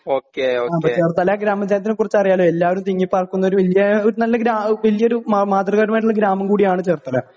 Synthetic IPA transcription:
oːkeoaːpɐt͡ɕe̞ːrt̪ːɐlːɐɡɾaːmːɐd͡ʑaːnt̪inɨkːurit͡ɕːɐrijaːɭoːelːaːʋɐɾumt̪iŋːipːaːrkːunːɐoɾuʋɐlijɐoɾunɐlːɐɡɾaːʋɐlijɐoɾumaːt̪rɐɣɐʈmaːjʈuɭːlɐɡɾaːmɐŋkuːɽijaːɳɨt͡ɕe̞ːrt̪ːɐlːɐ

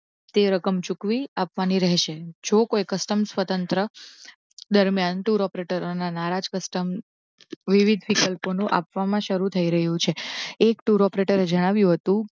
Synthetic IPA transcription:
t̪eɾəkəmt͡ʃukʋiapʋaniɾəɦʃed͡ʒokojkəsʈəmsʋət̪ənt̪ɾə | d̪əɾmjanʈuɾɔpɾeʈəɾonanaɾad͡ʒkəsʈəm | ʋiʋid̪ʱʋikəlponũʔa̰pʋamãʃəɾut̪ʰəiɾəɦjũt͡ʃʰeekʈuɾɔpɾeʈəɾed͡ʒəɽ̃aʋjũɦət̪ũ

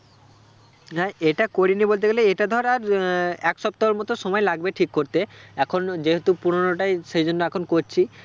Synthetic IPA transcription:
ɦɛʔeʈakoɾinibolt̪̬ekaleeʈad̪ʱɔɾaɾɛkʃɔp̚t̪aɦeɾmɔt̪oʃɔmɔelaɡbeʈʰikːoɾt̪eɛkʰond͡ʑeɦet̪upuɾonoʈajʃejd͡ʑonːoɛkʰonkoɾt͡ɕʰi

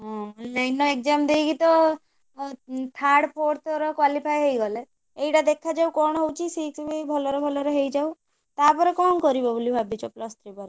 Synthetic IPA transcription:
ɔnlajnɔek̚d͡ʒamd̪ejkit̪ɔ | t̪ʰaɽpʰoɾt̪ɔɾɔkwalipʰajɦejɡɔle | ejʈad̪ekʰad͡ʒawkɔɽ̃ɔɦewt͡ʃʰisiksbibʱɔlɔɾɔbʱɔlɔɾeɦejd͡ʒaw | t̪apɔɾekɔnkɔɾibɔbolibʱabit͡ʃɔplɔst̪ʰɾipɔɾe

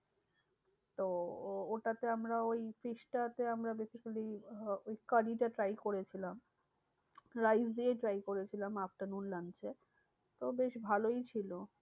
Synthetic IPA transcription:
t̪ooʈat̪eamɾaojfiʃʈat̪eamɾabesikaliojkaɾiʈaʈɾajkoɾet͡ɕʰilam | ɾajzd̪ieʈɾajkoɾet͡ɕʰilamap̚ʈanunlant͡ɕʰe | t̪obeʃbʱalojt͡ɕʰilo

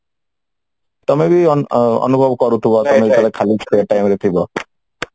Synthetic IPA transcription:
t̪ɔmebiɔ̰nubʱɔbkɔɾut̪ʰibɔt̪ɔmebit̪ɔlekʰalikʈajmɾet̪ʰibɔ

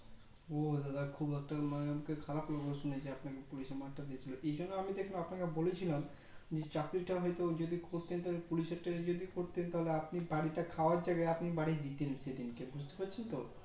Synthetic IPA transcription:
od̪ad̪akʰubɛk̚ʈamaneamakekʰalaploɡoʃuned͡ʑeapnakepuliʃeɾmaʈad̪iet͡ɕʰiloʔejd͡ʑonːoamid̪ekʰenapnakebolet͡ɕʰilam | d͡ʑet͡ɕakɾiʈaɦɔjt̪od͡ʑod̪ikoɾt̪ent̪aɦolepuliʃeɾʈad͡ʑod̪ikoɾt̪ent̪aɦoleapnibaɽiʈakʰaoaɾd͡ʑaɡaeapnibaɽid̪it̪enʃed̪inkebud͡ʑʱt̪e̥paɾt͡ɕʰent̪o

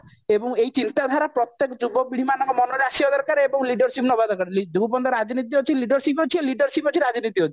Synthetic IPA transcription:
ebɔŋejt͡ʃint̪ad̪ʱaɾapɾɔt̪ːekɔd͡ʒubɔbiɽ̤imanɔ̃ŋkɔmɔnɔɾasiɔd̪ɔɾkaɾeebɔŋliɖɔɾsipnɔbad̪ɔɾkaɾeid̪ubupɔnd̪ɔɾad͡ʒnit̪̬iɦot͡ʃʰiliɖɔɾsipot͡ʃʰiliɖɔɾsipot͡ʃʰiɾad͡ʒnit̪iɦot͡ʃʰi̥

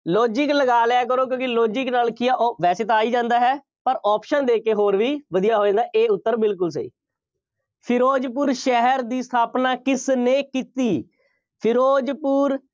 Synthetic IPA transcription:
loːd͡ʒɪkləɡaːlɛːk̬əɾoːk̬jõːkɪloːd͡ʒɪknaːlkijaːʔʋɛːseːt̪aːiːd͡ʒãːnd̪aːɦɛː | pəɾɔːpʃənd̪eːkeːɦoːɾʋiːʋəd̪ijaːɦoːẽːnd̪aːʔeːʊt̪ːəɾbɪlk̬ʊls̬ə̰ḭː | pʰɪɾoːd͡ʒp̬uːɾʃɛɦəɾd̪iːst̪ʰaːpnaːkɪsneːkiːt̪iː | pʰɪɾoːd͡ʒpuːɾ

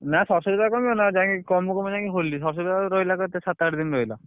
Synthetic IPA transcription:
nasɔɾsɔbid̪akɔmionad͡ʒãkikɔmukɔmid͡ʒãkiɦolːisɔɾs̬ɔbid̪aɾojlakɔt̪esat̪aɽed̪inɾojla

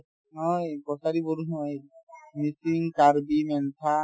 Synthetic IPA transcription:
ɦɔjkɔsaɾiboɾuɦɔjmisiŋkaɾbimɛnt̪ʰa

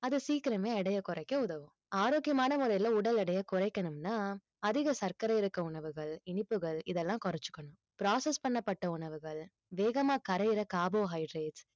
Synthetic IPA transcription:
ɐðɯsiːkɪɾɐmeːɛɽɐjɐkʊrɐɪkːɐʊðɐʋɯ̃ | aːɾoːkjɐmaːnɐmʊɾɐɪjlɐʊɽɐlɛɽɐjɐkʊɾɐɪkːɐnɯmnaː | ɐðɪɣɐsɐɾkɐɾɐɪɾɯkːɐʊɳɐʋɯɣɐɭɪɳɪpːɯɣɐɭɪðɛlːãːkʊɾɐt͡ʃːɯ̥kːɐɳʊ̃m | pɪɾaːsɛspɐɳːɐpːɐʈːɐʊɳɐʋɯɣɐɭ | ʋeːɣɐmaːkɐɾɐjɪɾɐkaːboːɦɐɪɖɾeːʈs

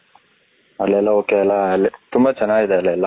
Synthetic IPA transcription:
ɐlːɛlːɐoːkeɐlːɐɐlːit̪umbɐt͡ʃɐnːaːɡid̪eɐlːɛlːɐ

